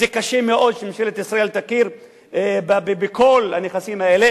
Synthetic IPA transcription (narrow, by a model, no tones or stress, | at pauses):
zekaʃemeʔo̞d̪ʃemʃelet̪isɾaelt̪akiɾ | ebabebeko̞lhaneχasimaele